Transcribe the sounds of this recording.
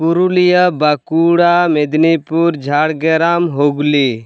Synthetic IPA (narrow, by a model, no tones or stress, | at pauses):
puɾulijəbakuɽamed̪nipuɾd͡ʒʱaːɽɡeɾamɦoɡli